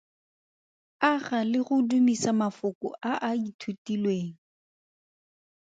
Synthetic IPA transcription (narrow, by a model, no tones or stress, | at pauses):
aχalɪɣʊdumisamafʊkʊ̰ʔaʔaitʰutilweːŋ̩